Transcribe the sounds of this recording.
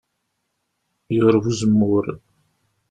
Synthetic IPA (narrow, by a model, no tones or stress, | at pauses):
jəʁɾəvuzəmːʊɾ